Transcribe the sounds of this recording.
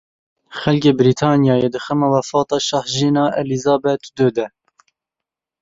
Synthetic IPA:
xɛlkeːbɾiːt̪ʰɑːnjɑːjed̪ɨxɛmɑwɛfɑːt̪ɑːʃɑhʒiːnɑːʔɛlizɑːbɛt̪ʰd̪øːd̪ɛ

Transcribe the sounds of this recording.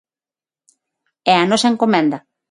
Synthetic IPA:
ɛanɔsaeŋkomẽnd̪ɐ

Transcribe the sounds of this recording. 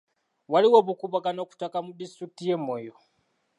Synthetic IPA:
waliwoβukuβakanoku̥takamudistɾik̚tijemojo

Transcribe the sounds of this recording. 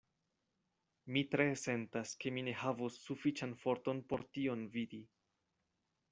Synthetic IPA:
mitɾe̞se̞ntaske̞mine̞havusːufit͡ʃanfo̞ɾto̞npo̞ɾtio̞nvidi

